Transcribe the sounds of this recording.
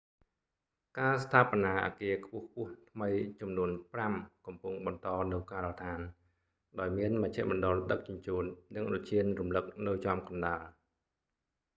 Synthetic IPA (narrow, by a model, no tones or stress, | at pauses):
kaːst̪ʰaːpɑnaːʔa̰ːkiəkʰpʊ̆əhk̚ʰpʊ̆əht̪ʰməjt͡ɕɑmnuənpramkɑmpuŋɓɑnt̪ɑːnɨwkaːɾɔt̪ʰaːn | ɗaɔjmiənməc̚t͡ɕʰa̰ʔmɑnɗolɗək̚t͡ɕŭəɲt͡ɕuːnːɨŋʔot͡ɕiənrumlɨk̚nɨwt͡ɕamkɑnɗaːl